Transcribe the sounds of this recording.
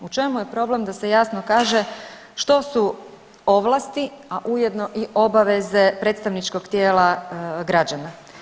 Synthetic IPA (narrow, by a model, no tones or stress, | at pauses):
ut͡ʃe̞muje̞pɾo̞ble̞md̪asejaːsno̞kaːʒe̞ | ʃt̪o̞su | o̞ʋlˠast̪iaʔujed̪no̞ʔiʔo̞baʋe̞zepɾet̪st̪aʋnit͡ʃko̞ɡt̪jeːlaɡɾad͡ʑana